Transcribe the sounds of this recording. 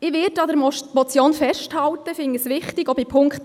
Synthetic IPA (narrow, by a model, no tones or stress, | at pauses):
ɪʋɪtɑdəɾmɔt͡sjoːnfɛʃthɑltəfɪŋːisʋɪχtɪɡɔbipʰʊŋkt